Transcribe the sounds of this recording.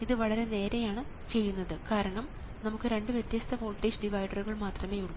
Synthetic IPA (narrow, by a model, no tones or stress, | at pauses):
iðɨʋɐɭɐɾe̞ne̞ːɾejaːɳɨ | t͡ɕe̞jːunːɐðɨkaːɾɐɳɐm | nɐmukːɨɾe̞ɳɖɨʋjet̪jɐst̪ʰɐfo̞ːlʈːeːsɖiʋɐjɖɐruɣɐɭmaːt̪rɐme̞ːjuɽ